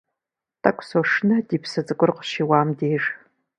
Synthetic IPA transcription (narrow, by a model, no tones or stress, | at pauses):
tʰʼɐkʷʼsoʂnɐdiːpʰsɐt͡sʼɨkʷʼʊrqə̥ʃiːwɑːmdeːr